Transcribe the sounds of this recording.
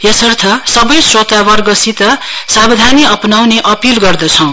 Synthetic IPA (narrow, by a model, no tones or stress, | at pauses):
jʌsʌrt̪ʰʌsʌbʌjsrot̪abʌrɡʌsit̪ʌsabd̪ʱaniʌpnawneʔʌpilɡʌrd̪ʌt͡sʰʌw̃